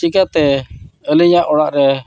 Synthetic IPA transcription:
ikat̪ɛəliɲaʔɔɽaʔɾɛ

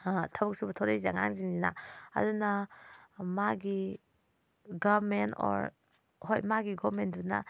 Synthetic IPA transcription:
tʰɐbuk̚subɐtʰowɾejzeaŋa̰ŋziŋzina̰ɐ̰duna | maɡi | ɡamentɔ̰ɾ | hojmaɡiɡɔmenduna̰

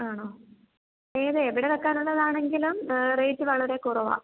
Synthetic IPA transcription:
aːɳoː | eːðeːʋiɽe̞ʋekːaːnuɭːɐðaːɳe̞ŋɡilumrejtːɨʋɐɭɐɾe̞kurɐʋa̰ː

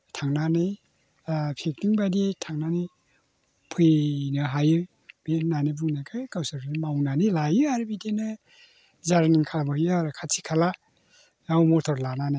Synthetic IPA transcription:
tʰaŋnanɯj | pʰek̚tiŋbaditʰaŋnanɯj | pʰɯjnɯɦajɯ | benanibuŋnakʰɯkawsaɾknmawnanilajɯaɾbidenɯ | zaɾniŋkʰalabajɯaɾɯkʰasʰikʰala | awmɔtʰɔɾlananaj

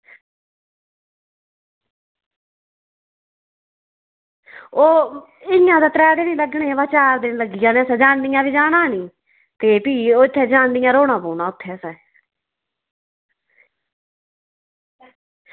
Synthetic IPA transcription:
oː | ɪjãːd̪aːt̪ɾɛːd̪eːnĩːləɡɳeːʋaːt͡ʃaːɾd̪eːnĩːləɡɪjãːneːəsɛːd͡ʒaːnd̪iːjãːbiːd͡ʒaːnãːnĩː | t̪eːpiːoːɪt̪ʰːeːd͡ʒãːnd̪ɪjãːɾoːɳãːpuːnãːʊt̪ʰːeːsɛː

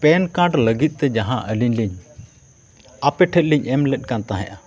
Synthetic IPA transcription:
pɛnkaɖləɡit̪̚ˀt̪ɛd͡ʒaɦãʔəliɲliɲ | apɛʈʰɛt̪̚liɲɛmlɛt̪̚ˀkant̪aɦɛ̰̃ʔa

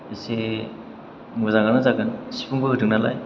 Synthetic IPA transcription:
ese | ŋuzaŋɡanazakɯnsi̥pʰuŋbɯɦɯdɯŋ̚nala̰j

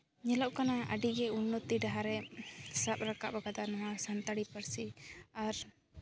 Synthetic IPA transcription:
ɲɛlɔʔkanaʔə̰ɖiɡɛunːɔt̪iɖaɦaɾɛsap̚ɾaka̰ʔbaɡad̪anɔwasant̪aɽipəɾsiaɾ

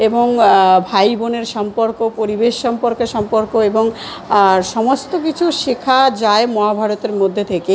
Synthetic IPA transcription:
eboŋbʱajboneɾʃɔmpoɾkopoɾibeʃːɔmpoɾkeɾʃɔmpoɾkoeboŋ | ʃɔmost̪okit͡ɕʰuʃekʰad͡ʑaemɔɦabʱaɾot̪eɾmod̪ʱːet̪ʰeke

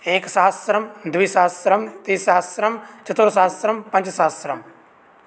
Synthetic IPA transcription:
eːksaːsɾɐmd̪uisaːsɾɐmt̪iːsaːt̪sɾɐmt͡ʃɐt̪oɾsaːsɾɐmpɐ̃ɲt͡ʃsaːsɾɐm

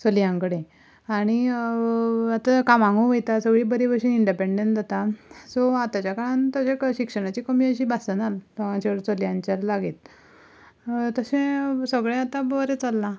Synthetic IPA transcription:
t͡soljãŋkəɽẽ | aɽ̃i | at̪akamãŋɡuʋəjt̪asəɡɭiːbəɾibəɾɕiːniɳɖipeɳɖeɳd͡z̪at̪asɔat̪at͡ɕjakəɭant̪əɕeɕikʂəɽ̃at͡ɕiːkəmiːəɕiːbasənaləɡat͡ɕakɽet͡səljãɲt͡ɕaɾlaɡiːt̪ | t̪əsẽsəɡɭẽat̪abʋəɾet͡salːa

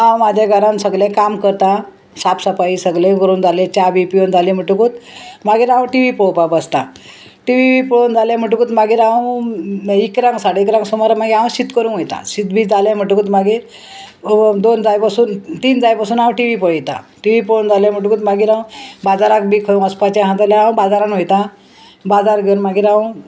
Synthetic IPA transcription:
ɦãwmad͡ʑʱaɡəɾãnsəɡlẽkamkəɾt̪a | sapsapaisəɡlẽɡəɾuːnd͡zʱalẽt͡ɕabipiond͡zalẽm̤əʈukuːt̪maɡiːɾãw̃ʈiʋipowpabəst̪a | ʈiʋibipəɭond͡zaljẽm̤əʈukuːt̪maɡiːɾãw | ikɾaŋɡsaɽeikɾãŋɡsɔmɔɾamaɡiaʋũɕit̪kəɾũːɦojt̪ã̰ɕit̪biːd͡zaljam̤əʈukut̪maɡiːɾ | d̪ond͡zajpəsuːnt̪iːnd͡zajpəsuːnaũʈiʋipəɭit̪a̰ʈiʋipoɭund͡zaljãm̤əʈukuːt̪maɡiːɾãbad͡zaɾak̚biːkʰəjũəspat͡ɕaɦãt̪aljããbad͡zaɾanɦojt̪ã | bad͡zaɾɡʱeuɾmaɡiːɾã

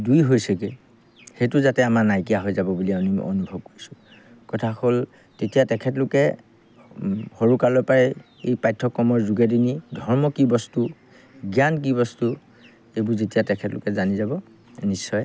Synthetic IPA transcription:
dujɦojsɛkɛ | hetʊzatɛamaɹnajkijaɦojzabɔbuliaʊnim̰o̰nubʱɔb̚koɹisʊ̥ | kɔtʰaxɔl | tetijatɛkʰɛtlʊkɛ | xoɹukalɔjpaɹɛ | ḛjpajtʰːɔkːɔmɔɹzuɡɛdinidʱɔɹmɔkibɔstu | ɡjank̬ibɔstu | ejbʊɹzetijatɛkʰɛtlʊ̰kɛzanizabɔ | nisːɔj

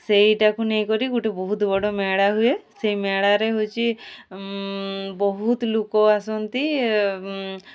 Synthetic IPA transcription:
sejʈakunejkɔɾiɡuʈebɔɦut̪bɔɽɔmaɽaɦujesejmaɽaɾeɦut͡ʃʰi | bɔɦut̪lukɔasɔnt̪i

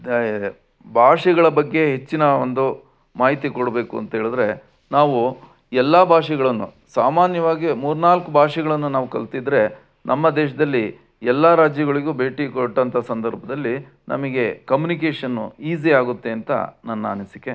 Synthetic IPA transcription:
bʱaːʂɛɡɐɭɐbɐɡːe̞ɦet͡ʃːinɐond̪u | maːɦit̪ikoɽbe̞ːkuɐ̰nt̪ɐɦeːɭid̪ɾe̞ | naːʋu | ɛlːɐbʱaːʂɛɡɐɭɐnːu | saːmaːnjɐʋaːɡimuːɾnaːlkubʱaːʂɛɡɐɭɐnːunaːʋukɐɭt̪id̪ɾe̞ | nʔɐmːɐd̪ɛːʂ̬ɐd̪ɐlːi | ɛlːɐɾaːd͡ʒjɐɡɐɭiɡuːbʱeːʈikoʈːɐnt̪ʰɐsɐnd̪ɐɾbʱɐd̪ɐlːi | nʔɐ̰mɐɡe̞kɐmjunik̬eːʂɐnːṵiːziaːɡut̪ːe̞ɐnt̪ɐ̰nɐnːɐɐnisikːe

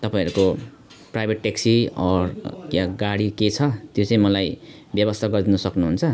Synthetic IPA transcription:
t̪ʌpaĩʌɾuko | prajbʱeʈːeksiʌjaɡaɽiket͡sʰʌt̪jot͡saĩmʌlajbjʌbʌst̪ʰaɡʌrd̪inʌsʌknuɦunt͡sʰʌ

